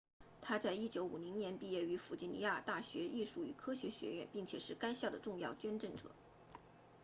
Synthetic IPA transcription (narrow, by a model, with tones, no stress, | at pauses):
t̪ʰa˥t͡sa˥˧ɪi˥t͡ɕjo˧˥ʊu˨˩li˧˥ŋnjɛ˧˥npi˥˧jɛ˥˩y˧˥fu˨˩t͡ɕi˥nnḭ˧˥ja˥˧t̪a˥˩ɕɥɛ˧˥ʔi˥˧ʂu˥˩y̰˨˩kʰɤ˥ɕɥɛ˧˥ɕɥɛ̰˧˥ɥɛ̰˥˩npi˥˩ŋt͡ɕʰjɛ˨˩ʂɻ̩˥˩ka˥ɪɕjɑ˥˩ʊd̪ə˩ʈ͡ʂʊ˥˧ŋjɑ˥˩ʊt͡ɕɥɛ˥nʈ͡ʂə˥˩ŋʈ͡ʂɤ̰˨˩˦